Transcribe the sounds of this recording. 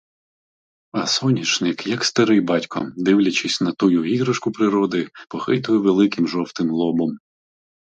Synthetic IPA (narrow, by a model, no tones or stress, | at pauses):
ɐsɔnʲit͡ʃnɪkjɐkst̪ɐɾɪjbɑtʲkʰɔ̰d̪ɪwlʲɐt͡ʃɪsʲnɐt̪ujuiɣɾɐʃkʊpɾɪɾɔd̪ɪpɔxɪt̪ʊjɛʋelˠɪkɪmʒɔwt̪ɪmlˠɔbɔm